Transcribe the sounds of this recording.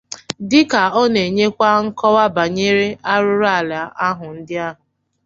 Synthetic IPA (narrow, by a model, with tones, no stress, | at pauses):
dɪ˦ka˨ɔ˦ne˨ɲe˦kʷa˦ŋ̩˦kɔ˦wa˦ba˨ɲe˦ɾe˦ʔa˦ɾʊ˦ɾa˦˨la˨a˦ɦʊ˨n̩˦dɪ˦a˦ɦʊ˨